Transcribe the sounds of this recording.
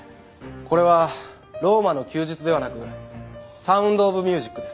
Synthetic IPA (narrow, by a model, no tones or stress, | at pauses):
ko̞ɾe̞β̞a | ɾo̞ːmano̞kʲɨːʑit͡sɨd̪e̞βanakɯ̟ | sãɯ̟̃nd̪o̞ːbɯ̟mʲjɨːʑikːɯ̟d̪e̞s